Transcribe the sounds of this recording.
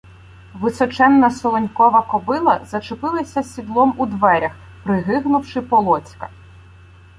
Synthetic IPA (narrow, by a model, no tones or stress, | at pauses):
ʋɪsɔt͡ʃɛnːɐsɔlˠɔnʲkɔʋɐkɔbɪlˠɐ̰zɐt͡ʃepɪlˠɐsʲɐsʲid̪lˠɔmud̪ʋɛɾʲɐx | pɾɪɦɪɦnʊwʃɪpɔlˠɔt͡sʲkɐ̰